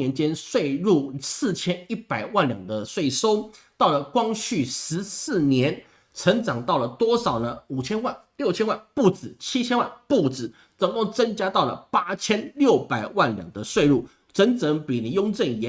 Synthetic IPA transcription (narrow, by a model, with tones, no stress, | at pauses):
ɛ˧˥nt͡ɕjɛ˥nswe˥˧ɪɻu˥˩sɹ̩˥˨t͡ɕʰjɛ˥ni˥˩pa˨˩ɪwa˥˩nljɑ̰˨˩ŋd̪ə˦swe˥˩ɪso˥ʊt̪ɑ˥˩ʊlə˩kwɑ˥ŋɕy˥˩ʂɻ̩˧˥sɹ̩˥˩njɛ˧˦˥n | t͡sʰə˧˥ŋʈ͡ʂɑ˨˩ŋt̪ɑ˥˩ʊlə˩t̪wɔ˥ʂɑ˨˩ʊnə˦u˨˩t͡ɕʰjɛ˥nwa˥˧nljo˥˩ʊt͡ɕʰjɛ˥nwa˥˧npu˥˩t͡sɹ̩˨˩t͡ɕʰi˥t͡ɕʰjɛ˥nwa˥˧npu˥˩t͡sɹ̩˨˩˦ | t͡sə˨˩ŋko˥˩t͡sə˥ŋt͡ɕja˥t̪ɑ˥˩ʊlə̰˩pa˥t͡ɕʰjɛ˥nljo˥˩ʊpa˨˩ɪwa˥˩nljɑ̰˨˩ŋd̪ə˦swe˥˧ɪɻu˥˩ | ʈ͡ʂə˧˥nt͡sə˧˥ŋpi˨˩ni˨˧˦jo˥ŋʈ͡ʂə˥˩njɛ˧˦